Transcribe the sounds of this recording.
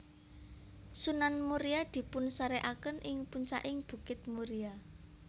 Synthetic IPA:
sunanmuɾiad̪̥i̤pʊnsəɾeʔakənʔɪŋpuɲt͡ʃa̰ʔɪŋb̥ṳkɪt̪̚muɾia

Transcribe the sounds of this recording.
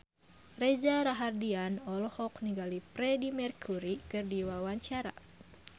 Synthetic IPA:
rɛd͡ʒaɾaɦardianɔlɔhɔkniɡalipɾɛdimɛrkʰuɾikɨrdiwawaɲt͡ʃaɾa̰

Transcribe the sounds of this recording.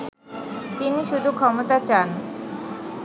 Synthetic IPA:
t̪iniʃud̪ʱukʰɔmot̪at͡ɕan

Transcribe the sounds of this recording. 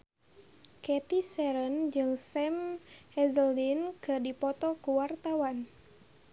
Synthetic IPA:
kɛt̪isɛɾənd͡ʒɨŋsɛmhɛzəldinkɨrdipɔt̪ɔkuwart̪awan

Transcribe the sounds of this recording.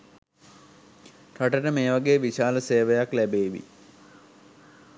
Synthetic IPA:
t̪aʈəʈəmeːʋaɡeːʋiʃaːləseːʋəjaklæbeːʋḭ

